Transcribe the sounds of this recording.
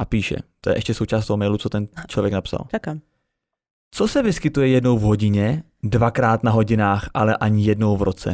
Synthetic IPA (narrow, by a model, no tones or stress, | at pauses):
ʔapiːʃɛ̰t̪ojɛ̰ɛʃcɛsowt͡ʃaːst̪oɦomɛjlut͡sot̪ɛnt͡ʃlovjɛknapsa̰lt͡ʃkam | t͡sosɛvɪskɪt̪ujɛjɛdno̞wvɦoɟɪɲɛ | dvakɾaːt̪naɦo̞ɟɪnaːxʔalɛʔaɲɪjɛdnowvɾot͡sɛ̰